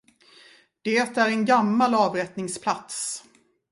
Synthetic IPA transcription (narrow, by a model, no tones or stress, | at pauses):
d̪̥eːt̪æɾɛnɡamːalɑːvɾɛt̪nɪŋspʰlat̪s